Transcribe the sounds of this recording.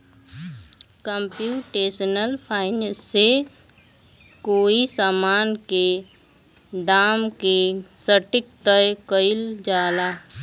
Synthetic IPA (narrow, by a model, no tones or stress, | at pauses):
kəmpjuːʈeːsənəlpʰaːɪnəsːe | koːisaːmaːnke | d̪aːmkesəʈɪk̚t̪əekəɪld͡ʒaːlaː